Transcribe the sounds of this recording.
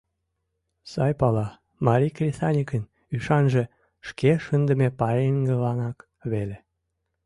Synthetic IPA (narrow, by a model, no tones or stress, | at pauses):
sɑjpɑlɑ | mɑɾʲikrʲiθɑnʲikən | yʃɑnʒe | ʃkeʃənd̪ə̆mepɑɾeŋɡəlɑnɑk | βele